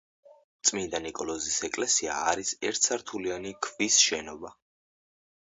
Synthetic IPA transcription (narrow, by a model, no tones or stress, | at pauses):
t̪sʼmind̪anikʼɔlɔzisɛkʼlɛsia̰ːɾisɛɾt̪ʰsʰaɾt̪ʰulianikʰvisʃɛnɔba